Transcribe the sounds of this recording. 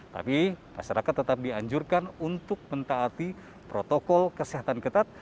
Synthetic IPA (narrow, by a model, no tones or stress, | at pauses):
t̪a̰pima̰ʃaɾakat̪ːət̪ap̚diaɲd͡ʒurkanunt̪ʊk̚mənt̪aːt̪i | pɾot̪okɔlkəsiɦat̪ankət̪at̪̚